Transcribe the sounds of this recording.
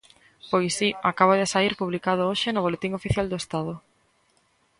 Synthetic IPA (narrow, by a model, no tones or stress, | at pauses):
pojsiakaβ̞ʊðesaiɾpuβlikað̞ʊoʃɪnʊβ̞olet̪iŋofiθjald̪oest̪aðʊ